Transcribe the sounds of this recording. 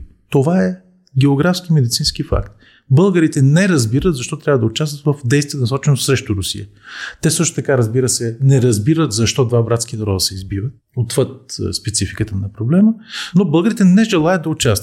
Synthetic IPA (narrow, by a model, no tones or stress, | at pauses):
t̪ovaɛ | ɡʲɛoɡɾafsk̟imɛd̪it̪sĩnsk̟ifa̰kt̪̚ | bɤlˠɡəɾit̪ɛnɛɾɐzbiɾət̪zɐʃt̪ɔt̪ɾʲavəd̪ɐʊt͡ʃast̪vət̪vɐfd̪ɛjst̪vʲiɛd̪ɐnsɔt͡ʃɛnosɾɛʃt̪ʊɾʊsḭjət̪ɛsɤʃt̪ʊ̥t̪ɐkaɾɐzbiɾəsɛnɛɾɐzbiɾət̪zɐʃt̪ɔd̪vabɾat̪skinɐɾɔd̪əsɛizbivə | ot̪vət̪̚spɛt̪sifikət̪ənɐpɾoblɛmənobɤlˠɡəɾit̪ɛnɛʒɛlˠajəd̪ɐʊt͡ʃast̪ət̪